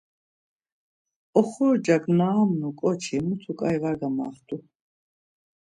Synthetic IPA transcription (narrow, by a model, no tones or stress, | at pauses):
ɔχuɾd͡ʒaɡnaamnukʼɔt͡ʃʰimut̪ʰukʼajvaɾɡama̰ːχt̪ʰʼu